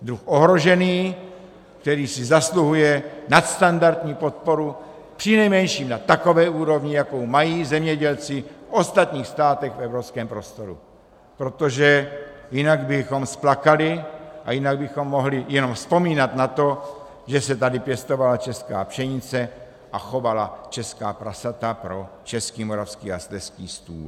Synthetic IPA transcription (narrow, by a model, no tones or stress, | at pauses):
d̪ɾuxʔoɦɾo̞ʒɛniː | kt̪ɛɾiːsɪzasluɦujɛnat̪st̪andaɾt̪ɲiːpo̞t̪̚po̞ɾu | pr̥ɪnɛjmɛnʃiːmnat̪ako̞vɛːʔuːɾo̞vɲɪjakowmajiːzɛmɲɛɟɛlt͡sɪfʔo̞st̪at̪ɲiːxst̪aːt̪ɛxfɛvɾopskɛːmpɾo̞st̪o̞ɾṵ | pɾo̞t̪o̞ʒɛjɪnaɡbɪxo̞msplakalɪʔajɪnaɡ̚bɪxo̞mːo̞ɦlɪjɛno̞mspo̞miːnat̪nat̪o̞ | ʒɛsɛt̪adɪpjɛst̪o̞valat͡ʃɛska̰ːpʃɛɲɪt͡sɛ | ʔaxo̞valat͡ʃɛskaːpɾasat̪apɾo̞t͡ʃɛskiːmoɾafskiːa̰st̪ɛskiːst̪ṵːl